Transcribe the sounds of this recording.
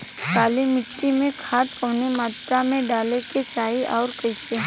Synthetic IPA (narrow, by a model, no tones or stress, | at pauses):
kaːlimɪʈːimẽkʰaːt̪kəʋnemaːt̪ɾamẽɖaːleket͡ʃaːiʔɔːɾkɐɪse